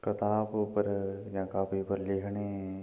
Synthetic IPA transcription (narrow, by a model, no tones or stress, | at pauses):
kət̪aːppəɾjãːkaːpʰipəɾlɪkʰneɦɛ̃